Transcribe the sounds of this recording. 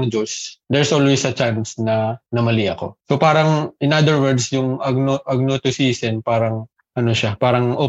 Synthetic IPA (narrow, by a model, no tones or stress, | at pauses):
ŋd͡ʒosd̪ɛɹsʔolwɛsɐt͡ʃansnɐnɐmɐliʔɐko̞̰sopaːɾɐŋʔɪnʔad̪ɛɹwɛɹd̪sjʊŋʔɐɡ̚noʔɐɡ̚not̪ʊsiːsɛnpaːɾɐŋ | ʔɐnoʃapaːɾɐŋʔo